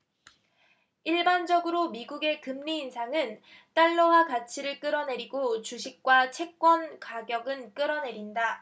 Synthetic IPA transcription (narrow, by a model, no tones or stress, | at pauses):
iɭband͡ʑʌɡɯɾomiɡuɡe̞kɯmɲiːnsʰaŋɯn | t͈aɭːoɦakat͡ɕʰiɾɯɭk͈ɯɾʌne̞ɾiɡot͡ɕuɕʰik̚k͈wat͡ɕʰe̞k̚k͈wʌnkaɡjʌɡɯnk͈ɯɾʌne̞ɾinda